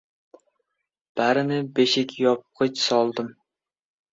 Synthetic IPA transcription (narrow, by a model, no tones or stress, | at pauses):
b̥æɾɪnɪbeʃɪkʲjɑp̚qʰət͡ʃsɑlˠd̪ɨm